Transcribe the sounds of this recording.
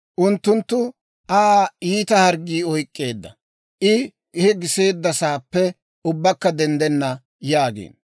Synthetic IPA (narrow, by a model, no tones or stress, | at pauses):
ʔʊnt̪ːʊnt̪ːʊ | ʔaiːt̪ɐhɐɾɡiːɔjkʼːe̞ːd̪ːɐ̰ | ʔɪ | hɛɡɪse̞ːd̪ːɐsaːpːɛ | ʊbːɐkːɐd̪ɛnd̪ɛnːɐ | jaːɡḛːn